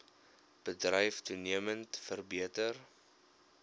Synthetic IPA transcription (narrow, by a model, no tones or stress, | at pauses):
b̥ədrəjftuniəməntfərbiətər